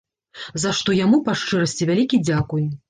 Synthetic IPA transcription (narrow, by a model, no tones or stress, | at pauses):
zaʂt̪ɔjamupaʂt͡ʂɨɾɐsʲt͡sʲivʲalʲikʲid͡zʲakuj